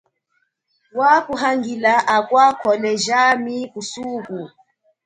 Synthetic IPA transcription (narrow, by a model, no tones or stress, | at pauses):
wakuɦaŋɡilaʔakwakʰɔlɛʒamikusuːku